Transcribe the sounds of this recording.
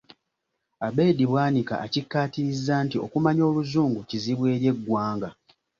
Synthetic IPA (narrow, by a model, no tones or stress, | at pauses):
abe̞ːdiβwaːnika̰ʔacikːaːtiɾizːaːntio̞̰kumaɲo̞ːluzuːŋɡuciziβwe̞ːɾje̞ɡːwaːŋɡa